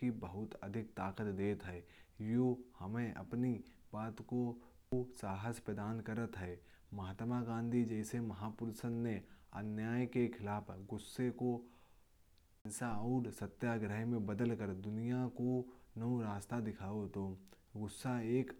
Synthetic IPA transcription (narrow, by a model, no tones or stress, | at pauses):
ibəɦʊt̪əd̪ʱɪk̚t̪aːqət̪d̪eːt̪ɦɛːjohɐmẽʔɐ̰pni | baːt̪ko | saːɦəspɾəd̪aːnkəɾət̪ɦɛː | mɐɦaːt̪maɡãːnd̪ʱid͡ʒɛːsemɐɦaːpʊɾsənːeɐ̰njaːjkekʰɪlaːpʰɡʊsːeko | saːɾsət̪jaɡɾəɦmẽbəd̪əlkəɾd̪ʊnijakonəʋɾaːst̪ad̪ɪkʰaːot̪o | ɡʊsːaeːk